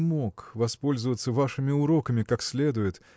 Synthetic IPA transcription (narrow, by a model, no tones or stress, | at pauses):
mokvɐspo̞lʲzəvət̪səvaʂɨmʲɪʊɾo̞kəmʲɪkaksʲlʲe̞d̪ʊjɪt̪